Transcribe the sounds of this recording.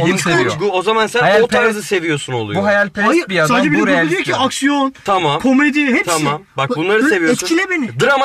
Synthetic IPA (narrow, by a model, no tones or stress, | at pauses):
isijɡuozamansænajaot̪ʰaɾzɯse̞vijo̞ɾsuno̞̰lˠujbuɦajalʲpʰebijazsaːd͡ʒɛbiuɾelʲjoiaksijont̪ʰamamkʰomed̪ihɛpt̪ʰamambak̚bunlˠaɾɯsse̞vioɛst̪cʰilʲɛbenɪd̪ɯɾama